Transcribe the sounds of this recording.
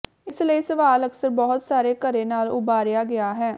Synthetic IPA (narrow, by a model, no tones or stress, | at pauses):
ɪsləiːsəʋaːləksəɾbɔːʊt̪saːɾeːkəɾeːnaːlʊ̰baːɾɪjaːɡɪaːɦɛː